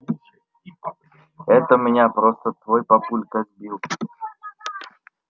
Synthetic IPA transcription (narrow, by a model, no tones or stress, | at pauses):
ɛt̪əmʲɪnʲapɾost̪ət̪vojpɐpulʲkak̚bʲilˠ